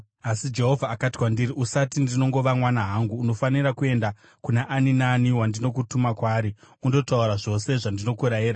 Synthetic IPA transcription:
asid͡ʒe̞ɦo̞vʱaːkatiwandiɾiʔusatindino̞ŋɡo̞ʋamwanaɦaŋɡuːno̞fanirakue̞nda | kunaʔaninaniwandino̞kutumakwaːɾiundo̞tauɾaʐo̞se̞ʐandino̞kuɾajiːɾa

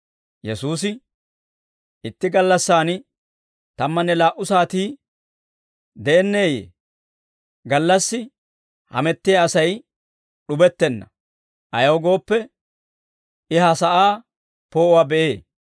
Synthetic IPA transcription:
jɛsuːs̬ɪ | ʔɪt̪ːɪɡɐlːɐsːaːn | t̪ɐmːɐnːɛlaːʔʊsaːt̪iː | d̪ɛːnːe̞ːjḛː | ɡɐlːɐsːɪ | hɐ̰mɛt̪ːɪjaɐsɐj | ɗʊbɛt̪ːɛnːɐ̰ | ʔɐjɐwɡo̞ːpːɛ | ʔɪɦɐsɐʔaː | poːwaːbɛʔeː

